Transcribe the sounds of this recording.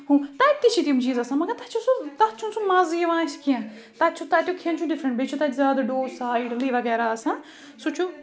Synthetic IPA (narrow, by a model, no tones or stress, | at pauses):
hũːt̪ɐt̪it͡ʃʰit̪iũmt͡ʃiːzɐsãːmɐɡɐɾt̪ɐt͡ʃʰũsut̪ɐt͡ʃʰũsumaziʋãːt͡ʃʰkijã | t̪ɐt͡ʃʰut̪ɐt̪ʲjukʰiɐ̃nt͡ʃʰũɖɪfɾə̃ɳʈbet͡ʃʰũt̪azjaːd̪ɐɖoːsaːiɖliːʋɐɡɛːɾaɐsã | sut͡ʃʰũ